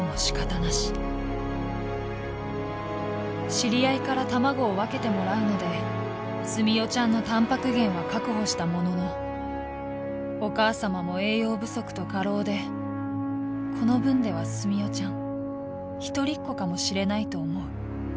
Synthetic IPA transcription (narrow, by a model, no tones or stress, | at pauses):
moɕi̥kat̪anaɕi̥ | ɕiɾʲiaikaɾat̪amaɡo̞ːβake̞t̪e̞mo̞ɾaɯ̟no̞d̪e̞ | sɨmʲijo̞t͡ɕãnːo̞t̪ãmpakɯ̟ɡẽ̞ɰ̃βakakɯ̟ɦo̞ɕi̥t̪amo̞no̞no̞ | o̞kaːsamamo̞e̞ːjo̞ːbɯ̟so̞kɯ̟̥t̪o̞kaɾo̞ːd̪e̞ | kʰo̞no̞bɯ̟̃nd̪e̞β̞asɨmʲio̞t͡ɕãŋ | çi̥t̪o̞ɾʲikːo̞kamo̞ɕiɾe̞nait̪o̞ːmo̞ɯ̟